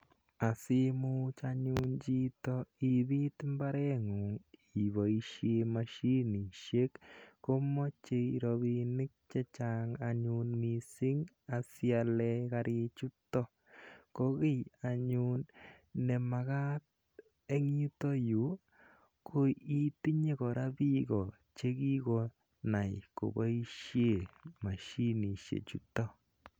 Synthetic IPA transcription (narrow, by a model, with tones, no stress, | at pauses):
a˨sɪ˦mu˦t͡ʃaɲu˦nt͡ʃi˦tɔ˦i˨βi˦t̪ɪ˦mba˦ɾɛ˦ŋu˨ŋi˨βo˨i˨ʃe˧maʃi˦ni˨ʃe˦kko˦mɔ˦t͡ʃe˧ɾoβi˨nɪ˦k̚t͡ʃɛ˦t͡ʃa˦ŋa˨ɲunmi˨sɪ˦ŋ | a˨sja˧lɛ˧ka˧ɾʔɪ˧t͡ʃu˦tɔ˦ | koɣɪ˦ja˨ɲu˨nnɛ˨ma˨ɣa˦t̚ | e˦ŋ˦u˦to˦ju˨˦ | ko˦i˦t̪i˦ɲe˦kɔ˨ɾa˦bi˦ɡɔ˨ | t͡ʃe˦ɡi˦ɡɔ˨ | na˨jko̰˨ba˦i˦ʃje˦˨ma˨ʃi˦ni˨ʃḛ˨t͡ʃu˦tːɔ˦